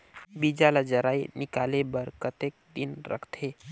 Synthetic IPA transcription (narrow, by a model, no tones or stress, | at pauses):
bid͡ʒalad͡ʒəɾaːinɪkaːlebəɾkət̪eːk̚d̪ɪnɾə̰kʰt̪ʰeː